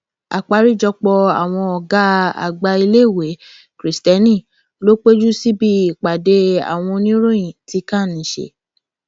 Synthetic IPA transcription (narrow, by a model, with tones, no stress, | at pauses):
a̰˨k͡pa˨˦ɾi˦˨d͡ʒɔ˧k͡pɔ˧a˨w̃ɔ̃˧ɔ˨ɡa˨˦a̰˨ɡ͡ba˧i˧le˦˨we˨˦ | kɾi˨stɛ˧˦nĩ˦˨ | lo˦k͡pe˦d͡ʒu˦si˦bi˦˨i˨k͡pa˨de˧˦a̰˨w̃ɔ̃˧nĩ˦ɾõ˦ĩ˨ti˧kã˦˨nĩ˨˦ʃḛ˦˧